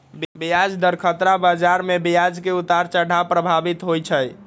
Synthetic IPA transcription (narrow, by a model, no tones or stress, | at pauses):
bbijad͡ʒd̪əɾkʰət̪ɾabad͡ʒaɾmebijad͡ʒkeut̪aɾt͡ʃəɖʱapɾəbʱabit̪ɦojt͡ʃʰəj